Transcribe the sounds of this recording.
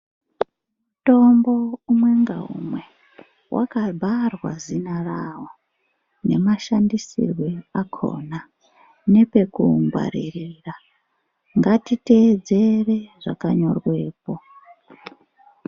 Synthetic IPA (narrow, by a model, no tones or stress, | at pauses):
muuto̞mbo̞umwe̞ŋɡaɦṵmwe̞ | wʔa̰kabʱarwazinaraɦo | ne̞maʃandisḭrweakʰo̰ːna | ne̞pe̞kuŋɡwa̰ɾiriːra | ŋɡatite̞ːd͡ze̞re̞ʐakaɲo̞rwe̞ːpo̞